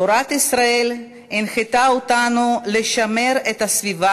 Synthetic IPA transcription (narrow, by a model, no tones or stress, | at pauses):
oɾat̪isɾael | inχet̪aot̪anuleʃame̞ɾet̪asviva